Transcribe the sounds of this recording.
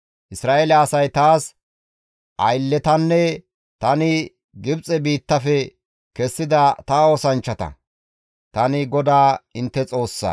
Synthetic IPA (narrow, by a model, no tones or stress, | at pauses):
ʔɪsɾaːʔeːlɐːsɐjt̪aːs | ʔɐjlːɛt̪ɐnːɛ | t̪ɐnɪ | ɡɪbt͡sʼɛbiːt̪ːɐfɛ | kɛsːɪd̪ɐt̪aoːsɐnt͡ʃːɐt̪ɐ̰ | t̪ɐnɪɡɔd̪aːɪnt̪ːɛt͡sʼo̞ːsːɐ̰